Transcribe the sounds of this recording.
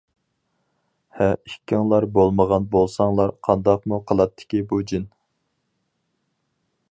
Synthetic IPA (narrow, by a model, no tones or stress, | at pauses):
hɛikʲːɪŋlˠɑɾbolˠməʁɑnbolˠsɑŋlˠɑɾqʰɑnd̪ɑqmuqʰəlˠɑt̪ʰːɪ̥kʲibud͡ʒin